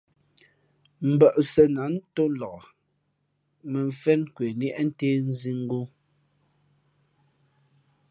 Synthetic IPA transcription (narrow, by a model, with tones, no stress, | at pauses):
m̩˨bə˨ʔsɛ˨na˨˦n˦to˦n˦lɔ˨ʔ | mɛ˨ɱ˨fɛ˦nkwe˨n˦ɛ˦ʔn̩˦te˦n˦zi˦ŋ˦ɡo˦